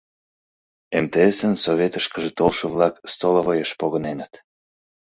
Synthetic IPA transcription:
emt̪eesənsovʲet̪əʃkəʒet̪olʃə̆βlɑkst̪olovojəʃpoɣənenət̪

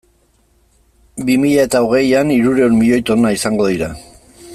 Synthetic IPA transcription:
bimiʎae̞t̪ao̞ɣ̞e̞janiɾuɾe̞uɾmiʎo̞jt̪o̞naisaŋɡo̞ðiɾa

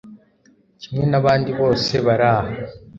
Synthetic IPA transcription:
cimwe̞naβaːndiβo̞ːse̞βaɾaːha

